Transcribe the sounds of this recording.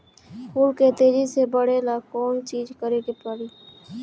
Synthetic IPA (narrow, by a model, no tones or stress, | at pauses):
kulket̪eːd͡ʒisebəɽelakɔːnt͡ʃiːd͡ʒkəɾeɡepəɽiː